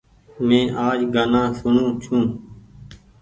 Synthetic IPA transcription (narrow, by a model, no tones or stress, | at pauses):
mẽːʔaːd͡ʒɡaːnãːsʊɳũːt͡ʃʰũː